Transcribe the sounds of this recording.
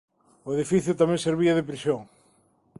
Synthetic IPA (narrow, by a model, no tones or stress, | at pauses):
ʊeðifiθjʊt̪amɛ̃ŋseɾβiɐðɪpɾisjoŋ